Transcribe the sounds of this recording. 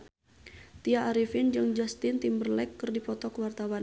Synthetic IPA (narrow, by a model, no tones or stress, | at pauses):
t̪iaʔːɾifɪnd͡ʒɨŋd͡ʒast̪ɪnt̪imbərlɛkːɨrdipɔt̪ɔkwart̪awan